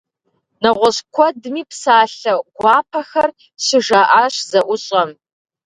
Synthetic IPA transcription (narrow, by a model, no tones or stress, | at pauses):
nɐʁʷɔɕkʷʰɔdɨmiːpsaːɬɐɡʷɑːpʰɐxɐr | ɕɪʒaʔaːɕzɐʔʷʊɕʼɐm